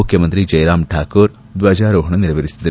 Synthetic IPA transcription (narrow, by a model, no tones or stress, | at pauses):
ukʰjɐmɐnt̪ɾid͡ʒɐjɾaːmʈʰaːkoːɾ | d̪ʋad͡ʒaːɾoːɦɐɳɐniɾɐʋeɾisi̥d̪ɐɾu